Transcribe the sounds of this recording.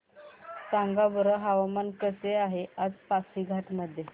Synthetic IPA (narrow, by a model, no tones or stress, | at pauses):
saŋɡabəɾəɦaʋamankəseaɦead͡zpasiɡʱaʈməd̪ʱːje